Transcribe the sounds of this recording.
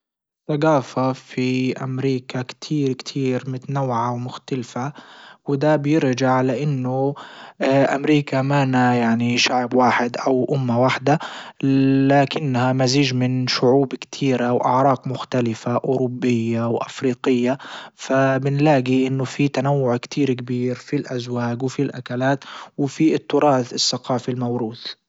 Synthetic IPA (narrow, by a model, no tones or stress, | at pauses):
ɪθːaɡaːfafiʔa̰mɾiːkakt̪ʰiːɾkt̪ʰiːɾmʊt̪anawːʕawmʊxt̪alfawɪd̪abjɪɾd͡ʒaʕlaʔɪnːʊ | ʔa̰mɾiːkamanajaʕniʃaʕbwaːħɪd̪ʔawʔʊmːawaħd̪a | laːkɪnːhamaziːd͡ʒmɪnʃʊʕuːbkt̪ʰiːɾawʔaʕɾˤɑːqmʊxt̪alɪfaʔʊːɾʊbːɪjːawʔa̰fɾiːqɪjːafabɪnlaːɡiʔɪnːʊfit̪anawːʊʕkt̪ʰiːɾkbiːɾfilʔazwaːɡwfilʔa̰kalaːt̪wɪfit̪ːʊɾˤɑːθɪsːaqɑːfilmawɾuːθ